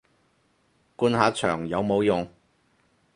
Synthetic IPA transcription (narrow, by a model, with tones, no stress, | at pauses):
kuː˧nhaː˨˧t͡ʃʰœː˨˩ŋjɐ˨˧wmo˨˧wjʊ˨ŋ